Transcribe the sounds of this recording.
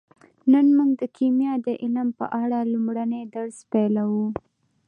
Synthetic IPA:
nənmuŋɡd̪əkʰimjɑd̪əʔɪlampə̰ʔaɽalumɽaned̪aɽspelawu

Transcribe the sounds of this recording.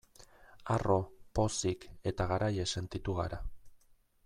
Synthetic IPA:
aro̞po̞sike̞t̪aɣaɾaje̞se̞nt̪it̪uɣaɾa

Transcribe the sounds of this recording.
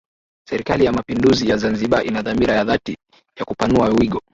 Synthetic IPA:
sɛɾikalijamapinduzijazanziɓaʔinaðamiɾajaðati | jakupanuawiɠɔ

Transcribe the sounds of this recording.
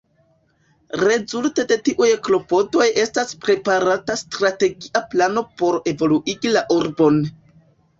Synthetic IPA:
ɾe̞zulte̞de̞tiʔujeklo̞po̞do̞je̞staspɾe̞paɾatastɾate̞ɡiʔaplano̞po̞ɾe̞vo̞luʔiɡilaʔuɾbo̞n

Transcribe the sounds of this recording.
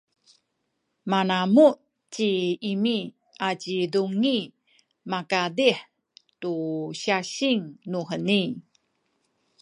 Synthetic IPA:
manamuʔ | t͡ɕiimi | ʔat͡ɕiduŋi | makadiħ | tuɕaɕiŋnuħəni

